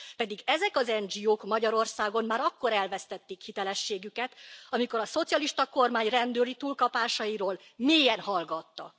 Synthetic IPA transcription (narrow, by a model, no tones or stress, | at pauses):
pɛd̪iɡɛzɛkɒzɛnd͡ʒioːkmɒɟɒɾo̞rsaːɡo̞mmaːɾɒkːo̞ɾɛlvɛst̪ɛt̪ːikhit̪ɛlɛʃːeːɡykɛt̪ɒmiko̞ɾɒso̞t̪sijɒliʃt̪ɒko̞rmaːɲrɛnd̪øːlit̪uːlkɒpaːʃɒjiɾoːl | meːjɛnhɒlɡɒt̪ːɒ̰